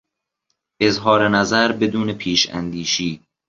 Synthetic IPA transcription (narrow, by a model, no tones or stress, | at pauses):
ʔe̞zɦɒːɾenæzæɾbe̞d̪uːnepʰiːʃæ̰nd̪iːʃiː